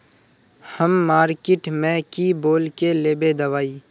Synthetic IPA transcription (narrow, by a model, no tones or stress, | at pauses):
həmːaːɾkɪʈmẽkiboːlkeleːbed̪əʋaːiː